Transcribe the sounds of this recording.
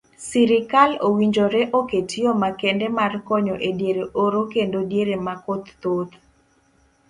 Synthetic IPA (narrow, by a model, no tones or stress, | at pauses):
siɾɪkalowiɲd͡ʒoɾɛʔoketijomakɛndɛmarkɔɲɔʔedjeɾeʔoɾokendodjeɾemakot̪ːot̪